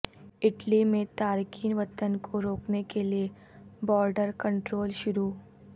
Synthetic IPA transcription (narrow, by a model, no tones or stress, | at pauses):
ɪʈlimẽt̪aːɾkiːnʋət̪ənkʰoɾoːknekelie | bɔːɾɖəɾkə̃ɳʈɾoːlʃʊɾuː